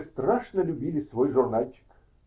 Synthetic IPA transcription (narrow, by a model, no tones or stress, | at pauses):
st̪raʂnəlʲʊbʲilʲɪsvojʐʊrnalʲt͡ɕɪ̥k